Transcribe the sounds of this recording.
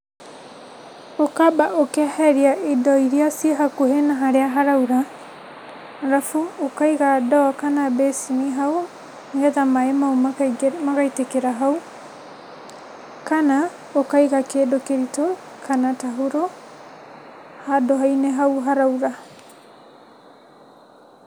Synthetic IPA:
okabaʔokɛhɛɾiaʔedɔiɾiasieɦakoɦenaɦaɾeaɦaɾauɾa | haɾafuokaiɣadɔkanabɛsimiɦao | ŋɡɛðamaemaumakaitekeɾaɦau | kana | okaiɣakedokeɾitokʰanataɦuɾo | hadoɦaineɦauɦaɾauɾa

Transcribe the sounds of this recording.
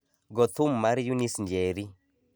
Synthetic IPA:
ɡɔt̪ʰumːaɾijunisnd͡ʒeɾi

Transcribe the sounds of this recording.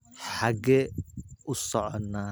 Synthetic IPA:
ħaɡɛʊsɔʕɔnːaː

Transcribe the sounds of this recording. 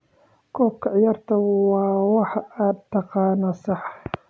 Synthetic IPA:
kʰɔːb̚kʰɐʕjɐrt̪ʰɐwɑːwɑħad̪t̪ʰːɑqɑːnɐsɑħ

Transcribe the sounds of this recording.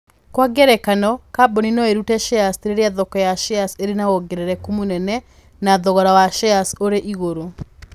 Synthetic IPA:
kwaɡɛɾɛkanɔkabɔninɔeɾutɛʃeasteɾeɾeaðɔkɔjaʃeaseɾenaɣoɡeɾeɾɛkomunɛnɛ | naðɔɣɔɾawaʃɛasoɾeʔiɣoɾo

